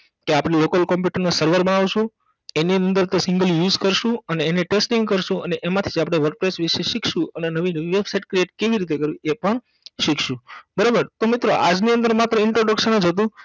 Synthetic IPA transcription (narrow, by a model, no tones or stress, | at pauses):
keapɽelokəlkɔmpjuʈəɾnasəɾʋəɾbənaʋʃũ | eniənd̪əɾt̪osɪŋɡəljuzkəɾʃũəneːneʈesʈĩŋɡkəɾʃũəneʔemãt̪ʰid͡ʒapɽ̃eʋəɾk̚pɾesʋiʃeʃikʰʃũənenəʋinəʋiʋebsajʈ̚kɾieʈkeʋiɾit̪ekəɾʋiepəɳ | ʃikʰʃũbəɾabəɾt̪omit̪ɾoʔad͡ʒniənd̪əɾmat̪ɾəɪɳʈɾoɖəkʃənəd͡ʒɦət̪̬ũ